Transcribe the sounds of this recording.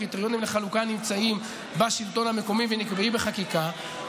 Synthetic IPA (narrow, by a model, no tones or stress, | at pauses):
it̪eʁjo̞nimleχalukanimt͡saim | baʃilt̪o̞nhame̞ko̞mivenikbeimbeχakika